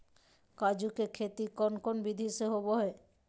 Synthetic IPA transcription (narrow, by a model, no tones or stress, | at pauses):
kad͡ʑukekʰet̪ikɔnkonbid̪ʱiseɦoboɦɔe